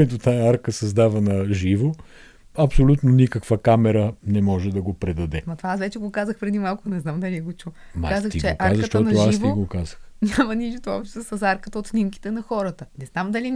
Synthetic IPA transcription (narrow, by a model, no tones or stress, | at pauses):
ɛt̪ot̪ajɐaɾkəsɐzd̪avɐnɐʒivo | ɐpsolʲut̪nonikəkvəkamɛɾənɛmɔʒɛd̪ɐɡopɾɛd̪ɐd̪ɛmɐt̪ovaasvɛt͡ʃɛɡokazəxpɾɛd̪imalˠkʊnɛznamd̪ɐliɛɡot͡ʃu | ma̰kazək̪t̪it͡ʃɛoʔaazɐʃt̪ɔt̪ɐoasivt̪iɡokazəxnʲamɐnʲiʃt̪oɔ̰pʃt̪esɐsaɾkət̪əot̪snimki̥t̪ɛnɐxɔɾət̪ənɛznamd̪ɐli